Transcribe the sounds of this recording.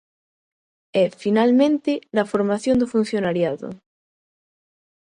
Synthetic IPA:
ɛfinalmẽnt̪ɪlafoɾmaθjond̪ofun̟θjonaɾjaðo̰

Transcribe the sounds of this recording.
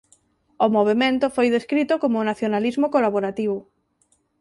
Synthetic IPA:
omoβ̞emẽnt̪ʊfojðeskɾit̪ʊkomonaθjonalizmokolaβoɾat̪iβ̞ʊ

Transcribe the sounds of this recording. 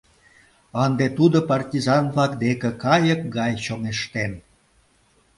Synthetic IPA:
ənd̪et̪ud̪opɑrtʲizɑnβlɑkd̪ekĕkɑjəkɡɑjɕoŋeʃt̪en

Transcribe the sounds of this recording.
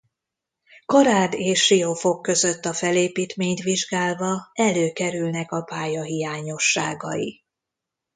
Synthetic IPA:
kɒɾaːd̪eːʃːio̞fo̞kːø̞zøt̪ːɒfɛleːpiːt̪meːɲt̪ʋiʒɡaːlvɒɛløːkɛɾylnɛkɒpaːjɒɦijaːɲo̞ʃːaːɡɒji

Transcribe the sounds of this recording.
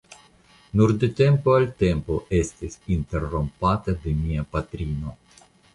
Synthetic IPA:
nuɾd̪et̪e̞mpoalt̪e̞mpo̞ʔe̞st̪isint̪e̞ɾːompat̪ad̪e̞miapat̪ɾino̞

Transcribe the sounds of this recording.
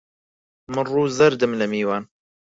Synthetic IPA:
mɨnruːzɐɾd̪ɨmlɐmiːwaːn

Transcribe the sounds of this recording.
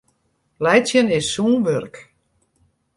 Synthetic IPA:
lɛjt͡sjənɪsːuːnʋørk

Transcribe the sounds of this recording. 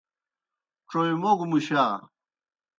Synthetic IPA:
ʈ͡ʂojimoɡumuɕa

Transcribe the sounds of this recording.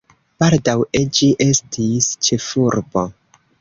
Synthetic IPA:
b̥aldawed͡ʒiʔe̞stist͡ʃe̞fuɾbo̞

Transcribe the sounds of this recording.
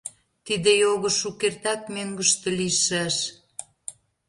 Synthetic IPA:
t̪id̪ĕjoɣə̆ʃukert̪ɑk̚møŋɡə̆ʃt̪ə̆liʃəʃ

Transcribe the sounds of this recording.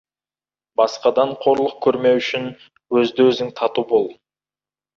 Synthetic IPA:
bɑsqɑd̪ɑɴqʰo̞ɾlˠəq̚kʲʰɵɾme̞wʏʃɪn | wɵzd̪ɪwɵzɪŋt̪ʰɑt̪ubo̞lˠ

